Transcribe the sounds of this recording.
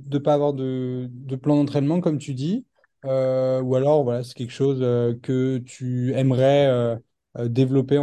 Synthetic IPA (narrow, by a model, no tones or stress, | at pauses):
d̪əpaːvwaʁd̪əd̪əplɑ̃d̪ɑ̃t̪χɛnmɑ̃kɔmt̪yd̪i | øualɔʁvwalasɛ̥kʲɛlkʃozøkət̪ʰyɛmʁɛø | ød̪evlɔpẽ